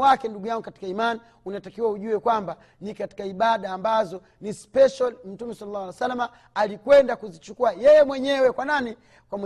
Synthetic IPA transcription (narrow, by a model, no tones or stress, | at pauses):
wakɛnduɡujaŋɡukati̥kaimani | unatakiwauʄuɛkwamba | nikati̥kaiɓaɗaːmbazɔ | nispɛʃalm̩tumɛsalalːaasalːamaː | likwɛndakuzit͡ʃukuajɛjɛmwɛɲɛwɛkwanani | kwam